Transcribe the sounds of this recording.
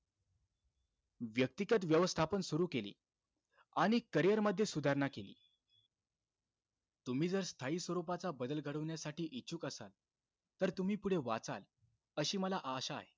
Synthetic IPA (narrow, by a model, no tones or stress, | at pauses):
ʋjək̚t̪ikjət̪̬ʋjəʋəst̪ʰapənsuɾuːkelḭː | aɽ̃ikəɾijəɾməd̪ʱːjesud̪ʱaɾɳakelḭː | t̪um̤iːd͡zəɾst̪ʰaiːsʋəɾupat͡sabəd̪əlɡʱəɽəʋɳjasaʈiːʔit͡ɕuːkəsa̰l | t̪əɾt̪um̤iːpuɽ̤eʋa̰t͡sa̰l | əɕiːməlaʔaɕa̰ːɦe